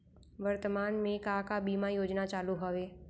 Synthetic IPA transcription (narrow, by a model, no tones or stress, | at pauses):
ʋɐɾt̪əmaːnmẽkaːkabiːmajoːd͡ʒnat͡ʃaːluɦɐʋeː